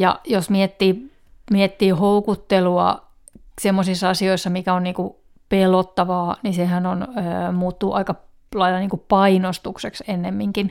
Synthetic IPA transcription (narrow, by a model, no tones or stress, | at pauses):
jɑ̰josmiet̪ːiː | miet̪ːiːhoukut̪ːeluɑ̰ | semːosisːɑɑsioisːɑmikæonniːŋku | pelot̪ːɑʋɑːnisehænonøːmuːt̪ːuːʔɑikɑ | lɑilːˑɑniːŋkupɑinost̪ukseksenːemːiŋkin